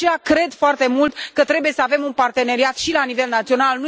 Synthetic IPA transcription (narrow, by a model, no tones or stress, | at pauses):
eakɾe̞d̪foart̪e̞mult̪kət̪ɾe̞buje̞səave̞munpart̪e̞ne̞ɾiat̪ʃilanive̞lnat̪sio̞nalnu